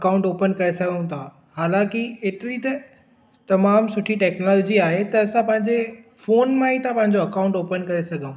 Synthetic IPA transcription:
ɐkaːʊ̃ɳʈoːpənkɐɾesɐɡʱə̃ũt̪ʰa | haːlãkieːʈɾit̪ɐ | t̪ɐmaːmsʊʈʰiʈɛːknɔːlɔːd͡ʑiaːɦet̪ɐɐsãpɐ̃ɦɪ̃ɲd͡ʑefoːnmãit̪ʰãpɐ̃ɦɪ̃ɲd͡ʑoɐkaːʊ̃ɳʈoːpənkɐɾesɐɡʱəũ

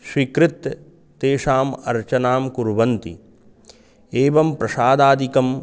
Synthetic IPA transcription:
ʃwikɾɪt̪ː | eːʃaːmɐ̰ɾt͡ʃɐnaːmkuɾʋɐnt̪ḭ | eːʋɐmpɾɐʃaːd̪aːd̪ʱikɐm

